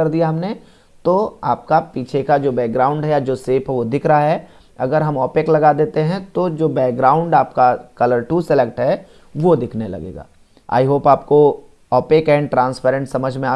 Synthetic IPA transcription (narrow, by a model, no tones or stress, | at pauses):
ɐɾd̪ijaɦɐmne | t̪oa̰ːp̚kapiːt͡ʃʰekad͡ʒoːbɛːk̚ɡɾaːʊ̃ɳɖɦɛjad͡ʒoːseːpʰɦɛʋod̪ɪkʰɾɐɦaɦɛ | ɐɡəɾɦɐmɔːpɪklɐɡaːd̪eːt̪eɦɛ̃t̪od͡ʒoːbɛːk̚ɡɾaːʊ̃ɳɖaːp̚kakɐləɾʈusɪlek̚ʈɦɛ | ʋod̪ɪkʰnelɐ̰ɡḛːɡa̰ː | a̰ːiɦoːpaːp̚ko | ɔːpɪkɛ̃ːɳɖʈɾãːnspʰɛːɾə̃ɳʈsɐməd͡ʒʱmẽaː